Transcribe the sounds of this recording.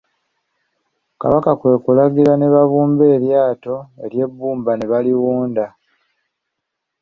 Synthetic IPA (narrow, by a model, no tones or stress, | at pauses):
ka̰βakakwe̞ːkulaɡiɾane̞βaβuːmbe̞ːɾjaːto̞e̞ɾje̞bːuːmbane̞βaliwuːnda